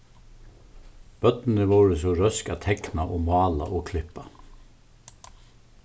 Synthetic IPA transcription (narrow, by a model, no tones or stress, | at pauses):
b̥œt̪n̩əʋuːɹəsɔɾœskɑt̪ʰɛknɑʔoːmɑːlɑ̰ʔoːkʰlɪpɑ